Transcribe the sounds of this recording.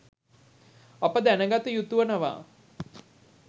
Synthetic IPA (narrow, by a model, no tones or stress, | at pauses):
apəd̪ænəɡat̪ujut̪uʋənəʋa̰ː